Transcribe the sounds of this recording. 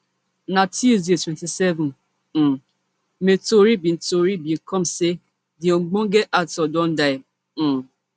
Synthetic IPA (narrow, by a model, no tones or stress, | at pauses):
natizietwɛntisɛvɔ̃n̩ | metoɾibin̩toɾibiŋ̩kɔm̩se | dɪoŋ͡m̩ɡ͡boŋ̩ɡeʔatɔdɔn̩daɪ